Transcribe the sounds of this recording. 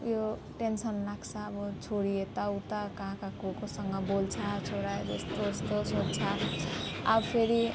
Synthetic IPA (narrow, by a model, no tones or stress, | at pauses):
jo | ʈensʌnlaɡt͡sʰʌːbʌt͡sʰoɽiet̪awt̪akaãkakokosʌŋɡʌbolt͡sʰʌt͡sʰoɾad͡zest̪ost̪osodt͡sʰʌ | ʌ̰bpʰeɾi